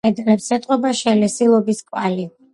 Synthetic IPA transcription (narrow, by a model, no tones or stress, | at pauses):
ɛd̪lɛpsɛt̪ʼqʼɔbaʃɛlɛsilˠɔbiskʼwali